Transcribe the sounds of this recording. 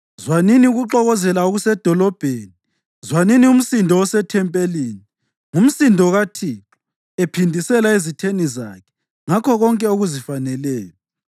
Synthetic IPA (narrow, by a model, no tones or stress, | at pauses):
zwaniniuɣuǁɔɣɔzɛlauɣusɛd̥ʱɔlɔb̥ʱeni | zwaninium̩sindʱɔwɔsɛtʰɛmpʼeliːni | ŋum̩sindʱɔɣatʰi | epʰindʱisɛlaizitʰeniza̰kʰɛ̥ | ŋakʰɔɣɔŋkʼɛoɣuzifanɛlɛːjɔ